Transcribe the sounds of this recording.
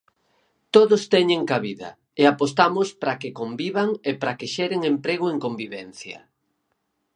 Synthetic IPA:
t̪oðʊst̪ɛɲeŋkaβiðɐ̰ | eapost̪amʊspɾakekombiβaŋepɾakeʃɛɾeŋempɾeɣ̞ʊeŋkombiβɛnθjɐ̰

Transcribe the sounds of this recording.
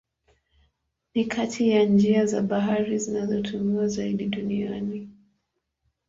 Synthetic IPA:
nikʰatʰijand͡ʒiazaɓaɦaɾizinazɔtʰumiwazaiɗiɗuniani

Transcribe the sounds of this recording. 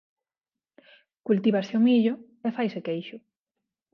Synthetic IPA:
kult̪iβasɪomiʎʊ | efajsekejʃʊ

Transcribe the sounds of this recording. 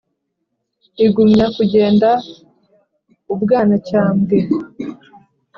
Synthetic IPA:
iɡumɲakuɟe̞ːnda | ubɡaːnacaːmɡe

